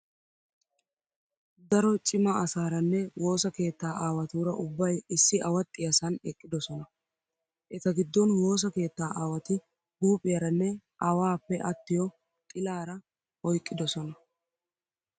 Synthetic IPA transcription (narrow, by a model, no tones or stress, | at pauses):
d̪ɐɾɔt͡ʃʼɪmɐɐsaːɾɐnːɛwo̞ːsɐke̞ːt̪ːaːʔaːwɐt̪uːɾɐʔʊbːɐjɪsːɪʔɐwɐt̪ʼːɪjɐsɐnɛkʼːɪd̪ɔsɔnɐ | ʔɛt̪ɐɡɪd̪ːɔnwo̞ːs̬ɐke̞ːt̪ːaːʔaːwɐt̪ɪ | huːpʼːɪjɐɾɐnːɛʔɐwaːpːɛʔɐt̪ːɪjɔ | t̪ʼɪlaːɾɐ | ɔjkʼːɪd̪ɔsɔnɐ